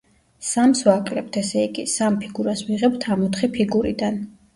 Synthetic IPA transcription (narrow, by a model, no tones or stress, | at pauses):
samsvakʼlɛp̚t̪ʰɛsɛikisampʰiɡuɾasviʁɛbt̪ʰamɔt̪χipʰiɡuɾḭd̪an